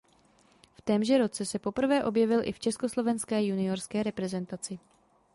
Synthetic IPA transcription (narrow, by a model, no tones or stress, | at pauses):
ft̪ɛmʒɛɾo̞t͡sɛsɛpo̞pr̩vɛːʔo̞bjɛvɪlʔɪ̰ft͡ʃɛsko̞slo̞vɛnskɛːjunɪoɾskɛːɾɛpɾɛzɛnt̪at͡sɪ